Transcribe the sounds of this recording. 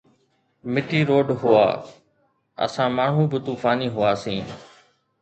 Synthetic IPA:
mɪʈiːɾoːɖɦʊa̰ː | ə̰sãːmaːɳ̤ũːbɪt̪uːfaːniːɦʊaːsĩː

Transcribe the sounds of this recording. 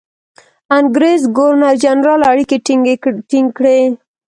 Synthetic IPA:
aŋɡɾezɡoɾnad͡ʒanɾɑlaɽikeʈʈɪŋɡkɽe

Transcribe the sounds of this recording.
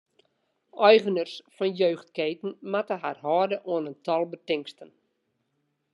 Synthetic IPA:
ʔɔjɣənərsfɔnjøːxt̚keːtən̩matəɦarhɔːdəʔuənəntʰɔlˠbətɪŋstən

